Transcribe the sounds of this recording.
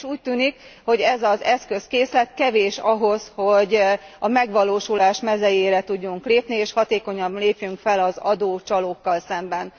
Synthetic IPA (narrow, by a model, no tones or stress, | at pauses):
ʃuːc̚t̪yːnikho̞ɟɛzɒzɛskø̞skeːslɛt̪kɛveːʃɒɦo̞sho̞ɟɒmɛɡʋɒloːʃulaːʃmɛzɛjeːɾɛt̪uɟːuŋkleːpnieːʃhɒt̪eːko̞ɲɒbleːpjyŋkfɛlɒzɒ̰d̪oːt͡ʃɒloːkːɒlsɛmbɛn